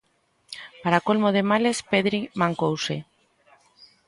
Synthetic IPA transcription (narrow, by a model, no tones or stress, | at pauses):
paɾakolmoð̞emalespeðɾimãŋkowse